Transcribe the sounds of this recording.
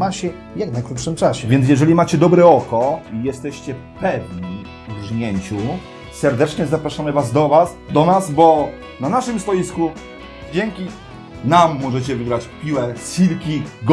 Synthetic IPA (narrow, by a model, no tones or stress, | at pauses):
maɕɛ | jaknajkɾupʂɘmt͡ʂaɕɛvʲjɛnt̪̬jɛʐɛlʲimat͡ɕɛd̪ɔbɾɛɔkɔijɛst̪ɛɕt͡ɕɛ | pɛvɲi | ʐɲɛɲt͡ɕu | sɛɾd̪ɛt͡ʂɲɛzapɾaʂamɘvazd̪ɔvas | d̪ɔnasbɔ | nanaʂɘmst̪ɔjisku | d͡ʑɛŋkʲi | namːɔʐɛt͡ɕɛvɘɡɾat͡ɕpʲiwɛsilkʲiɡ